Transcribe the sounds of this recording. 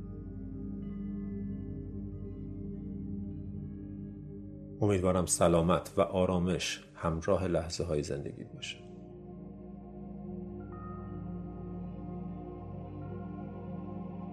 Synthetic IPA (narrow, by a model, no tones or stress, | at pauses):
o̞miːd̪vɒːɾæmsælɒːmæt̪ʰvæ̰ʔɒːɾɒːme̞ʃ | hæmɾɒːɦe̞læhz̥eɦɒːjeze̞̰nd̪e̞̰ɡʲḭːbɒːʃæ̥